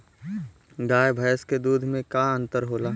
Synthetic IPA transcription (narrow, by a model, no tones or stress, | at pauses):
ɡaːjbʱɐjəsked̪uːd̪ʱmẽkaə̃nt̪əɾɦoːlaː